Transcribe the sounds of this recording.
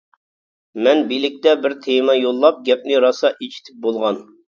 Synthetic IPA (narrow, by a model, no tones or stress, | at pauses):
mɛnbilɪk̚ʲt̪ɛbɪɾt̪ʰemɑjolˠːɑp̚ɡʲɛp̚nɪɾɑsɑʔet͡ʃʰi̥t̪ʰɪ̥p̚bolˠʁɑn